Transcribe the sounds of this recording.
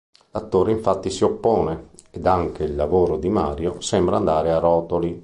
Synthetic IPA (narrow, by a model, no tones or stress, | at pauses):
lat̪ːoːɾeiɱfat̪ːisiopːɔːne | ed̪aŋk̟eilːavoːɾod̪imaːɾjosɛmbɾaːnd̪aːɾearɔːt̪oli